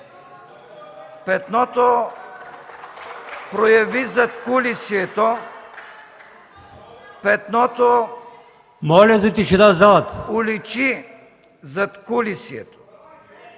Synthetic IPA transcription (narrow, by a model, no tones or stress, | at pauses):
pɛt̪nɔt̪ɔ | pɾɔjavizat̪kulisjɛt̪ɔ | pɛt̪nɔt̪ɔ | mɔlʲɛzit̪iʃid̪azaːt̪ulit͡ʃi | zat̪kulisjɛ̰t̪ɔ̥